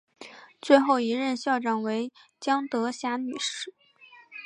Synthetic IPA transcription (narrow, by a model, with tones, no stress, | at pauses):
t͡swe˥˧ɪxo˥˩ʊi˧˥ɻə˥˧nɕjɑ˥˩ʊʈ͡ʂɑ˨˩ŋwe˧˥ɪt͡ɕjɑ˥ŋt̪ɤ˧˥ɕja˧˥ny̰˨˩ʂɻ̩˥˩